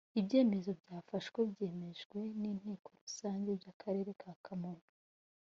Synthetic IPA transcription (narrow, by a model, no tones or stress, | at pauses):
ibje̞ːme̞zo̞bɟaːfaʃɡwebje̞ːme̞ʒɡwe̞niːn̥e̞ːko̞ɾusaːɲɟe̞bjakʰaɾe̞ːɾe̞kʰaːkʰamoːna